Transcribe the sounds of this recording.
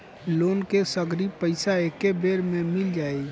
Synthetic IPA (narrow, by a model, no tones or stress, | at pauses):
loːnkesəɡɾipəɪsaekebeːɾmẽmɪld͡ʒaːe